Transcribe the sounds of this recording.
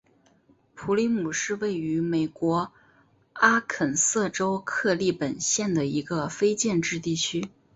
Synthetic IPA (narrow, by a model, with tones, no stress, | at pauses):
pʰu˧˥li˧˥mu˨˩ʂɻ̩˥˧we˥˩ɪy˧˥me˨˩ɪkwɔ˧˥ | a˥kʰə˨˩nsɤ˥˩ʈ͡ʂo˥ʊkʰɤ˥˧li˥˩pə˨˩nɕjɛ˥˩nd̪ə˩i˧˥ɡə˧fe˥ɪt͡ɕjɛ˥˧nʈ͡ʂɻ̩˥˧t̪i˥˩t͡ɕʰy˥